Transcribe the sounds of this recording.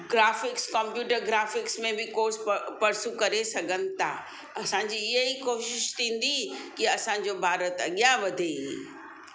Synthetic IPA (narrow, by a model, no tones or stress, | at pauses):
ɡɾaːfɪkskɐ̃mpjuːʈəɾɡɾaːfɪksmẽbɪkoːɾspɐɾsukɐɾesɐɡʱənɪ̆t̪ʰa̰ː | ɐsãːd͡ʑiɪɦeikoːʃɪʃt̪ʰĩːn̆d̪ikiɐsãːd͡ʑobʱaːɾət̪ɐɠijãʋɐd̪ʱeɦḭː